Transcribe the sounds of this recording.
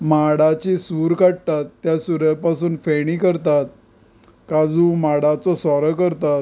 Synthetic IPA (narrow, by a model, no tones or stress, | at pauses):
maɽat͡ɕisuːɾkaʈ̚t̪at̪ːjasuɾjpasuːnfeɽiːkəɾt̪at̪̚ | kad͡zũmaɽat͡sɔsɔɾəkəɾt̪at̪